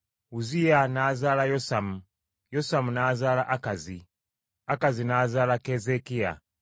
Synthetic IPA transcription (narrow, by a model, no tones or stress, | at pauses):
uzianaːzaːlajosamu | josamunaːzaːlaʔakazi | akazinaːzaːlakezekia̰